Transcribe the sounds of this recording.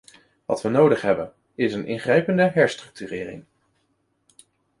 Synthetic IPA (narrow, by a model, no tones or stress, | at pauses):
ʋɑ̰tʋənowdəχɦɛbən | ɪsənʔɪ̰ŋχrɛjpəndəɦɛɹstrɵk̚tyrɪːrɪ̰ŋ